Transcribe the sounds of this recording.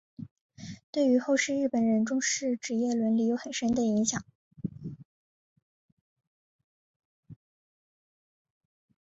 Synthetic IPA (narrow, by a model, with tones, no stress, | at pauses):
t̪we˥˩ɪy˧˥xo˥˧ʊʂɻ̩˥˧ɻ̩˥˩pə˨˩nɻə˧˥nʈ͡ʂʊ˥ŋʂɻ̩˥˩ʈ͡ʂɻ̩˧˥jɛ˥˩lwə˧˥nli˧˥jo˧˥ʊxə˨˩nʂə˥nd̪ə˨i˧˥ŋɕjɑ˨˩˦ŋ